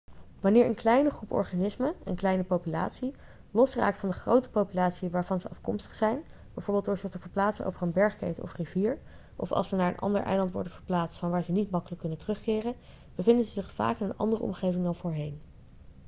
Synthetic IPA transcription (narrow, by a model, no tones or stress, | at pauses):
ʋɑnɪːɹʔə̰nklɛjnəχrupɔ̰ɹχanɪsməə̰nklɛjnəpowpyla̰ːtsi | lɔsra̰ːk̚tfɑndəχrowtə̥powpylaːtsiʋaːɹvɑnzəɑfkɔmstə̥χsɛjn | bɛjvoːɹbɪlˠdʊːɹzəχtəvəɹplaːtsənʔo̰wvərənbɛɹχkejtɔ̰friviːɹ | ʔɔfɑ̰lˠsənaːɹə̰nʔɑ̰ndə̰ɹʔɛ̰jlɑntʋɔ̰ɹdəv̥əɹplaːtstfɑnʋaːɹzənitmɑkələkːɵnəntərɵχkɪːrən | b̥əvɪndəzəzɪχfa̰ːkɪnənɑ̰ndərə̰ɔ̰mχejvɪŋdɑnvʊːɹɦejn